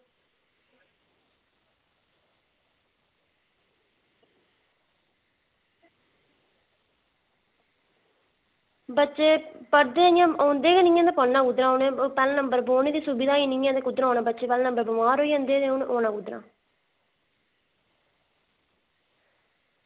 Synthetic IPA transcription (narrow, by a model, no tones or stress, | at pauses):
bətːʃeːpəɾd̪eːjãːoːnd̪eːɡenɪŋẽnd̪eːpəlnãːkʊd̪ɾãːoːnẽːpɛːlːnəmbəɾboːnẽːd̪iːsubɪd̪aːiːnɪŋẽːd̪eːkʊd̪ɾãːoːnãːbətːʃeːpɛːlːnəmbəɾbəmaːɾoːiːə̃ːnd̪eːd̪eoːnʔoːnãːkʊd̪ɾã̰ː